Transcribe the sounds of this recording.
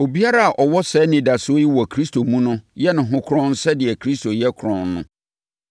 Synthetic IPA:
o˨bi˦a˦ɾa˦a˨ʔɔ˨wɔ˦sɛ˨˦nĩ˨da˨sʊ˦o˦ji˦wɔ˨kʰɾi˦stʰo˨mũ˦nʊ̃˦jɛ˦nʊ̃˨ɦʊ̃˦kʰɾɔ̃˦n̩˦sɛ˦dɪ˨ɛ˨kʰɾi˦stʰo˨jɛ˦kʰʊ˨ɾɔ̃˨nːʊ̰̃˦

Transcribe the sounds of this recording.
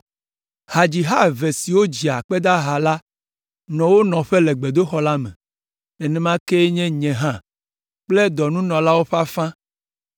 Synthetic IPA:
ha˨d͡ʑi˨ɦa˦ve˨si˨wo˦d͡ʑi˨a˨k͡pɛ˦d̪a˦ɦa˨la˦ | nɔ̃˨wo˦nɔ̃˨ɸe˦lɛ˨ɡ͡be˨d̪o˦xɔ˦la˦mɛ̰̃˨ | ɛ˨nɛ̃˦mã˦ke˦ɲɛ̃˦ɲɛ̃˨ɦã˦˨ | k͡plɛ˦d̪ɔ˨nũ˦nɔ̃˨la˦wo˦ɸa˦fã˦

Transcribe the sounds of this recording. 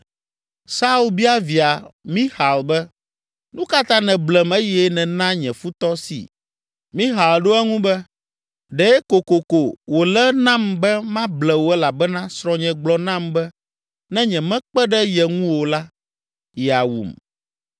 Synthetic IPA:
sa˦u˨lbi˦a˦vi˨a˨mĩ˦ha˨lbɛ˦ | nũ˦ka˦t̪ã˦nɛ̃˨blɛ˨me˦jɛ˦nɛ̃˨nã˦ɲɛ̃˨fu˦t̪ɔ˦sḭ˨ | mĩ˦ɦa˨lɖo˦ɛ˦ŋũ˦bɛ˦ | ɖɛ˨˦ko˨ko˨ko˨wo˨lɛ˦nã˦mbɛ˦mã˦blɛ˨wo˨˦ɛ˦la˨bɛ˦nã˦sɾɔ̃˨ɲɛ̃˨ɡ͡blɔ˨nã˦mbɛ˦ | nɛ̃˦ɲɛ̃˨mɛ̃˦k͡pɛ˦ɖɛ˦jɛ˨ŋũ˦wo˨la˦ | ja˨wṵ˨m

